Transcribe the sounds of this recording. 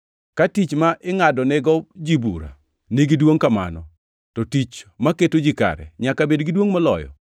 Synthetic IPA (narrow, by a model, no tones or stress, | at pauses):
katit͡ʃmaʔɪŋadɔnɛɡɔd͡ʒibṵɾa̰ | niɡidwoŋkama̰nɔ | tɔtit͡ʃmaketod͡ʒika̰ɾɛ̰ɲakabedɡidwoŋmɔlɔ̰jɔ̰